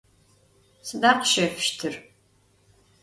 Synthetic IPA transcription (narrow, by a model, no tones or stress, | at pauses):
sɨdaːrqəʃɐfʃtʰɨr